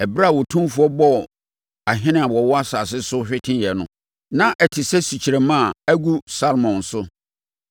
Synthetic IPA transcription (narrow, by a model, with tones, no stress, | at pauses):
ɛ˨bɾa˦˨wɔ˨tʰũ˦m˦fu˨˦ɔ˦bɔ˦˨ | a˨ɦɪ̃˦nɪ̃˦˨a˨wɔ˨wɔ˦a˦saː˨sɪ˦sʊ˦ɕᶣɪ˦tʰɪ̃˦jɛ˨nʊ̃˦ | nã˦ʔɛ˨tʰɪ˨sɛ˦si˨t͡ɕʰi˨ɾɛ˨mã˦˨æ˦ɡu˦sa˦lmɔ̃˨n˨sʊ˦